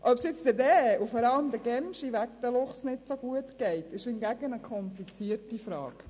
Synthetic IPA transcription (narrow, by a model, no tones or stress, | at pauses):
ʔœpsjɪt͡st̪ədɛufɔɾɑləmd̪əɡɛmʃiʋæk̚t̪əlʊχsnɪtsoɡ̥uətɡ̥ɛɪtɪʃɪnɡæɡənəkʰɔmpit͡siəɾtifɾɑ̰ːɡ̥